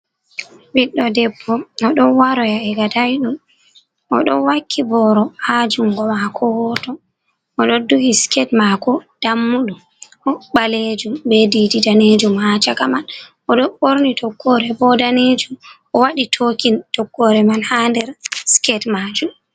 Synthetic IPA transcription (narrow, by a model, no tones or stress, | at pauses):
biɗːɔdɛbːɔnɔɗɔnwaɾɔjaɛɡadajɗum | ʔɔ̰ɗɔnwakʰːibɔɾɔhad͡ʒuŋɡɔmakʰɔwɔtɔ | ɔɗɔduhiskɛtmakɔd̥amːuɗum | ʔɔɓaled͡ʒumbɛdididaned͡ʒumhat͡ʃakamanʔɔɗɔɓoɾnitɔɡːɔɾɛbɔdaned͡ʒumʔɔwaɗitʰokintɔɡːɔɾɛmanhandɛɾskɛtmad͡ʒum